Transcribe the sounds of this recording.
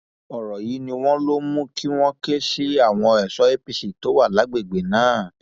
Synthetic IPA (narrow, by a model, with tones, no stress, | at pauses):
ɔ˨ɾɔ˨ji˨˦nĩ˧w̃ɔ̃˦lo˦mũ˦kʰi˦w̃ɔ̃˦ke˦ʃi˦a˦˨w̃ɔ̃˧ɛ˨sɔ˨˦e˦pi˧si˨to˨˦wa˦˨la˨˦ɡ͡be˦˨ɡ͡be˨nãː˨˦˨